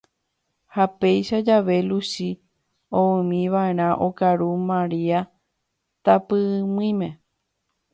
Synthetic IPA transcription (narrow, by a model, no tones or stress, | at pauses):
hape̞jʃad͡ʒaʋe̞lusi | õɨ̃mĩʋaeɾ̃ãʔokaɾumãɾia | t̪apɨmĩmẽ̞